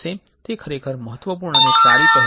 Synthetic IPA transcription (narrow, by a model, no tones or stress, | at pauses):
e | t̪ekʰəɾekʰəɾməɦət̪ʋəpuɾɳənesaɾikəɦ